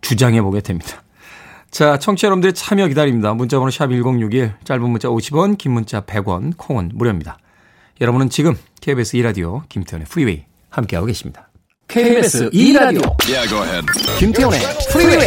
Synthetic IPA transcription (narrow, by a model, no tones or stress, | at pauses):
t͡ɕud͡ʑaŋe̞boɡedwemɲid̥ḁ | t͡ɕat͡ɕʰʌŋt͡ɕʰijʌɾʌbɯndɯɾet͡ɕʰamjʌkidaɾimɲidamunt͡ɕ͈abonoɕʰabiɭɡoŋjuɡiɭt͡ɕ͈aɭbunmːunt͡ɕ͈aoɕʰibwʌnkimːunt͡ɕ͈ape̞ɡwʌnkʰoŋʌnmuɾjʌmɲida | jʌɾʌbunɯnt͡ɕiɡɯm | kʰebesʰɯiɾadiokimtʰe̞one̞pʰɯɾiwe̞i | hamk͈e̞ɦaɡoɡe̞ɕʰimɲḭd̥ḁ | kʰeesɾadojɡoedkimtʰeonepʰɾie